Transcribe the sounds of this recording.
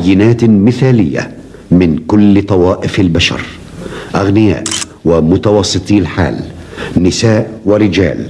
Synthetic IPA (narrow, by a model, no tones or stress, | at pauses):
jːɪnaːt̪mɪθaːlɪ̰jːa̰ | mɪnkʊlːt̪ˤɑwɑːʔɪfalbaʃɑ̰ɾˤ | ʔaɣnɪja̰ːʔ | wamʊt̪awɑsˤːɨt̪ˤiːlħa̰ːlnɪsaːʔwɪɾɪd͡ʒa̰ːl